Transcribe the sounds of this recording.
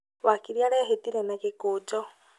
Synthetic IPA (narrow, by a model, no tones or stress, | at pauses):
wakiɾjaɾɛɦetiɾɛnakekud͡ʒɔ